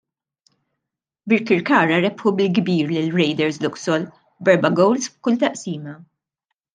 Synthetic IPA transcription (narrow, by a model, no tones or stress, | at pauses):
bɪɾkɪɾkɐːɾɐɾɛpħubɪlɡbiːɾlɪlɾɛjd̪ɛɾslʊksɔl | bɛɾbɐɡɔwlsfkʊlt̪ɐʔsiːmɐ